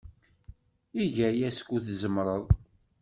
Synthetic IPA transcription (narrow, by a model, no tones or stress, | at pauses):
iʝæjæskʷːuθzəmɾˤəðˤ